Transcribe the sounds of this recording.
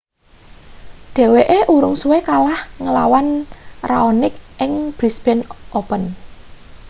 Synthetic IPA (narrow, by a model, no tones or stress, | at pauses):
ɖ̪̥ɛ̤weʔeʔuɾʊŋsuwekalahŋəlawanraonɪk̚ʔɪŋb̥ɾisb̥ɛnʔopən